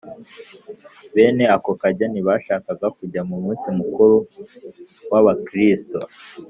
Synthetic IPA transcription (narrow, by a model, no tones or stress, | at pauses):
βe̞ːne̞ako̞kaɟaniβaʃaːkaɡakuɟamumiːsimukuɾu | waβakɾisto